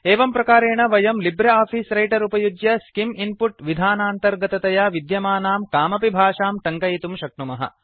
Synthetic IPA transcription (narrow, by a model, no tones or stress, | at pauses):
eːʋɐmpɾɐkaːɾeːɳɐʋɐjɐmlibɾeɐaːpʰiːsɾɐjʈɐɾupɐjud͡ʒjɐskiminpuʈʋid̪ʱaːnaːnt̪ɐɾɡɐt̪ɐt̪ɐjaːʋid̪jɐmaːnaːmkaːmɐpibʱaːʂaːmʈɐŋkɐjit̪umʃɐk̚ɳumɐɦɐ̰